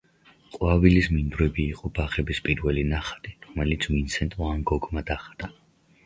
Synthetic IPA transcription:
qʼwavilismind̪ɾɛbiːqʼɔbaχɛbispʼiɾvɛlinaχḁt̪ʼiɾɔmɛlit̪sʰminsɛnt̪ʼɔanɡɔɡmad̪aχt̪ʼa

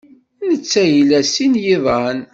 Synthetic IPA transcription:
nət͡sːæjlæsinjiðˤɑn

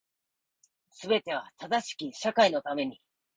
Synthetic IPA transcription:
sɨbe̞t̪e̞β̞at̪ad̪aɕi̥kʲiɕakaino̞t̪ame̞ɲ̟i

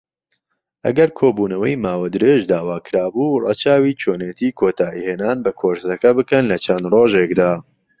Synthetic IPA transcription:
ʔɐ̰ɡɐɾkʰoːbuːnɐwɐjmaːwɐd̪ɨɾeʒd̪aːwaːkʰɨɾaːbuːrɑ̰ːt͡ʃaːwit͡ʃʰoːnet̪ʰiːkʰoːt̪ʰaːiheːnaːnbɐkʰoɾsɐkɐbɨkɐnlɐt͡ʃʰɐnd̪roːʒekd̪aː

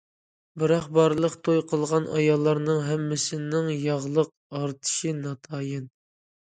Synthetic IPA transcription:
bɨɾɑχbɑɾlˠəqt̪ʰojqʰəlˠʁɑnʔɑ̰jɑlˠːɑɾnɨŋɦɛmːɪsɪnɪŋjɑʁlˠəq̚ | ɑɾt̪ʰɨ̥ʃinɑt̪ʰɑːjɪn

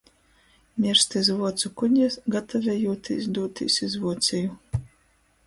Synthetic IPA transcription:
mʲiɾst̪ɨzvuɔt̪sukudʲnʲɲʲɛsɡat̪ʰavʲɛjuːt̪ʰḭsd̪uːt̪ʲḭsʲizvuɔt̪sʲɛju

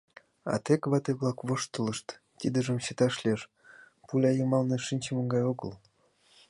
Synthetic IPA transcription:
ɑ̰t̪ekβɑt̪eβlɑkβoʃt̪ə̆lə̆ʃt̪ | t̪id̪əʒə̆mɕət̪ɑʃlʲeʃ | pulʲɑjəmɑlneʃinʲt͡ɕəmə̆ŋɡɑjoɣə̰l

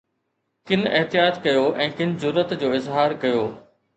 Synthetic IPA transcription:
kɪn̆ɪɦt̪ijaːt̪kɐjoːʔɛ̃ːkɪnɪ̆zʊɾːət̪d͡ʑoːɪzɦaːɾkɐjoː

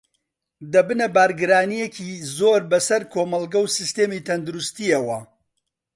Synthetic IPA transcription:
d̪ɐbɨnɐbaːɾɡɨɾaːnijecizoːɾbɐsɐɾkʰoːmɐlˠɡɐwsist̪eːmit̪ʰɐnd̪uɾust̪iɐwɐ

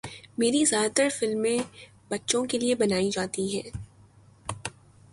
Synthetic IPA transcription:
meːɾizjaːd̪t̪əɾfɪlmːẽ | bɐtːʃõkeliebɐnaːid͡ʒaːt̪iɦɛː

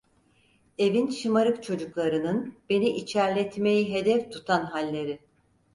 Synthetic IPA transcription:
e̞vinʃɯmaɾɯkt͡ʃʰo̞d͡ʒuklˠaɾɯnɯnb̥e̞niʔit͡ʃʰæɾlʲɛt̪me̞jiɦe̞d̪ɛft̪ʰut̪ʰanɦalʲːe̞ɾi

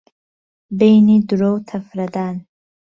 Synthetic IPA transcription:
bejnid̪uɾowt̪ʰɐfɾɐd̪aːn

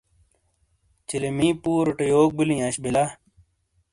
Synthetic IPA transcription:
t͡ɕilemiːpuːɾoʈejoːk̚bilĩːɐɕbila

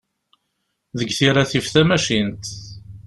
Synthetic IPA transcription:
ðəɡθiɾaθifθæmæʃint̪

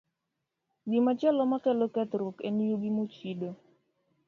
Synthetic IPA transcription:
ɡɪmat͡ʃɛlɔmakɛlokɛt̪ɾokḛnjoɡimot͡ʃido

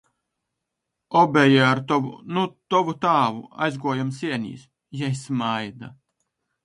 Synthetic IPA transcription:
ɔbʲɛjaaɾt̪ɔnut̪ɔvut̪aːvṵa̰jzɡuɔjamsiɛnʲḭːs | jɛjsmajd̪a̰

